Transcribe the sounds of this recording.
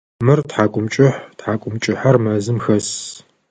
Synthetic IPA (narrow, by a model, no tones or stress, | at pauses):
mɨrtħaːkʷʼʊmt͡ʃʼɪħtħaːkʷʼʊmt͡ʃʼɪħɐrmɐzɨmxɐs